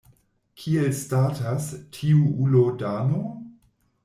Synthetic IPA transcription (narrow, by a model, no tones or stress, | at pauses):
kʰielstatastʰiuulodano